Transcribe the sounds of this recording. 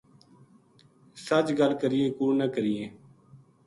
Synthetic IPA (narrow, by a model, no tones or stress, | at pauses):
sət͡ʃɡəlkəɾɪjẽːkuːnəkəɾɪjẽː